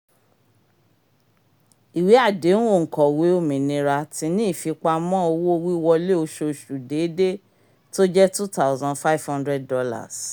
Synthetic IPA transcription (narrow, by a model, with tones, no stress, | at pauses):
i˨wi˨˦a˦˨de˨˦nũ˦o˦˨ŋ̩˨kɔ˨we˨˦o˦˨mĩ˨nĩ˧ɾa˧ti˧˦nĩ˦˨fi˧k͡pa˧mɔ̃˦o˧wo˦o˦˧wi˦wɔ˧le˦o˧ʃo˧˨ʃu˨de˨˦de˦ | to˦d͡ʒɛ˦tu˦ta˦ʊ˦zã˧nfa˦i˦˨vhã˦ndɾɛ˦d̚ːɔ˧la̰˦˨s